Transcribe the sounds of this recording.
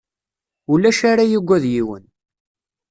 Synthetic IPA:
ulæʃaɾajiɡʷːæðjiwə̰n

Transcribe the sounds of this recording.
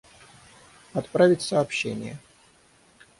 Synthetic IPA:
ɐt̪pɾavʲɪtʲsəːpɕːenʲɪ̰jə

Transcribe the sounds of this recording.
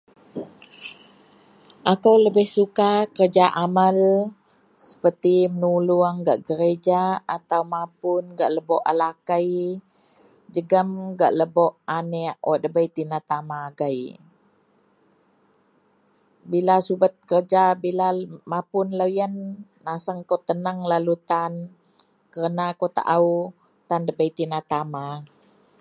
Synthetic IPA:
ʔakəwləbɪhsukakərd͡ʒaʔamal | sə̥pərt̪imənuluaŋɡaʔɡəɾed͡ʒaat̪awmapʊnɡaʔləbɔʔalakaj | d͡ʒəɡəmɡa̰ʔləbɔʔanɛʔwʔaʔdəbəjt̪inat̪amaːɡaj | bilasubət̪̚kərd͡ʒabilamapʊnləjənː | asəŋkot̪ənəŋlalut̪an | kəɾənakot̪a̰ʔau | t̪andəbəjt̪inat̪ama

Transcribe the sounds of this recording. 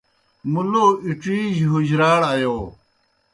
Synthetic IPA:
muloːiʈ͡ʂiːd͡ʑɦud͡ʑɾaːɽajoː

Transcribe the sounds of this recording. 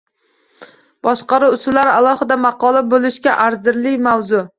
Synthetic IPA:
b̥ɒʃqɑɾʊʊst̪ʊlaɾalˠɒhɪd̪amɑqɒlˠabolˠɪʃkʲaʔaɾzɪɾlɪkʲmawzʊ

